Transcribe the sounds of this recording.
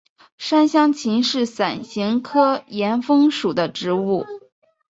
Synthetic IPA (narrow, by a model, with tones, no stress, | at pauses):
ʂa˥nɕjɑ˥ŋt͡ɕʰi˧˥nʂɻ̩˥˩sa˨˩nɕi˧˥ŋkʰɤ˥jɛ˧˥nfɤ˥ŋʂu˨˩d̪ə˦ʈ͡ʂɻ̩˧˥u˥˩